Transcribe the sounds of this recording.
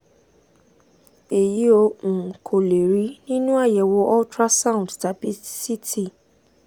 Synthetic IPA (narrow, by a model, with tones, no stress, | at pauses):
e˨ji˨˦o˧ʔũ˨kʰo˨le˨ɾi˨˦nĩ˦nũ˦a˦˨jɛ˨wo˧˦ʔɔ˦tɾa˦sa˦˨ũ˨dta˨˦bi˦si˦tʰi˦˨